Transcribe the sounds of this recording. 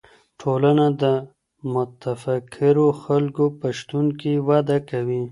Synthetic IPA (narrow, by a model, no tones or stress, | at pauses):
ʈʰolanad̪ə | mʊt̪afakʰɪɾoxalkopaʃt̪unkiwad̪akawi